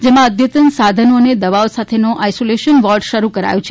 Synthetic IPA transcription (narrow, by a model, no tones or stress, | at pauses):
d͡ʒemãəd̪ʱjət̪ənsad̪ʱənoned̪əʋaosat̪ʰenoʔajsoleʃənʋɔɾɖʃəɾukəɾa̰jot͡ʃʰe